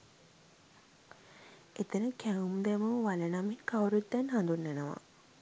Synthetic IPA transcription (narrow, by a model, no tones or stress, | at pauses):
et̪ənəkæumd̪ɛməʋalənamikawɾut̪ːɛnɦand̪unːenəʋa̰